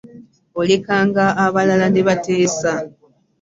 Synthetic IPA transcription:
ole̞kaːŋɡaːβalalaneβateːsa

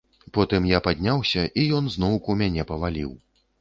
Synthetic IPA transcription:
pɔt̪ɨmjapad̪ʲnʲawsʲɐʔijɔnznɔwkumʲanʲɛpɐvalʲḭw

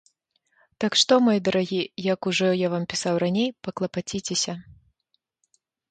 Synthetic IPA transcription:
t̪akʂt̪ɔmɔjɛd̪ɐɾʔaɣʲijɐkuʐɔjavampʲisawranʲejpɐklˠɐpat͡sʲit͡sʲesʲɐ

